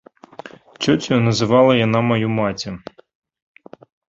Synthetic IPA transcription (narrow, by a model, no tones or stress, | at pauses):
t͡ʃɔt͡sʲɔnɐzɪʋɑlˠɐjɐnɑmɐjumɑtʲɐ